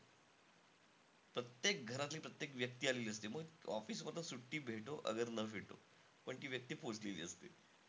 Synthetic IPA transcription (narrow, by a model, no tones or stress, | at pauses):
pɾət̪jek̚ɡʱəɾat̪liːpɾət̪jekʋjək̚t̪iːaleliːəst̪eməɡɔ̰fiːsmət̪əsuʈːiːbʱeʈoʔə̰ɡəɾnəbʱeʈo̰ | pəɳkiːʋjək̚t̪iːposlelḭːəst̪ḛ